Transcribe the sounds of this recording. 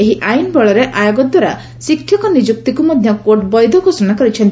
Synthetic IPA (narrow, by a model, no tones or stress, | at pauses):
eɦiʔajnbɔɭɔɾeʔajɔɡɔd̪waɾa | sikʰːjɔkɔnid͡ʒuk̚t̪ikumad̪ʱjɔkoʈbɔjd̪ʱɔɡosɔnakɔɾit͡ʃʰɔnt̪